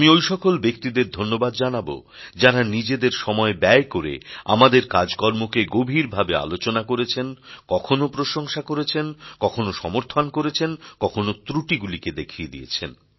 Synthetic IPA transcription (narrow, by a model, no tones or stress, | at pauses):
miojʃɔkolbek̚t̪id̪eɾd̪ʱonːobad̪d͡ʑanabo̰ | d͡ʑaɾanid͡ʑed̪eɾʃɔmɔebɛekoɾḛa̰mad̪eɾkad͡ʑkɔɾmokeɡobʱiɾbʱabea̰lot͡ɕonakoɾet͡ɕʰenkɔkʰonopɾoʃoŋʃakoɾet͡ɕʰenkɔkʰonoʃɔmoɾt̪ʰonkoɾet͡ɕʰenkɔkʰonot̪ɾuʈiɡuliked̪ekʰied̪ḭet͡ɕʰḛn